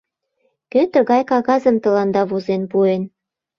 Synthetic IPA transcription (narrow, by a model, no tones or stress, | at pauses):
køt̪ə̆ɣɑjkɑɣɑzə̆mt̪ə̆lɑnd̪ɑβozenpuen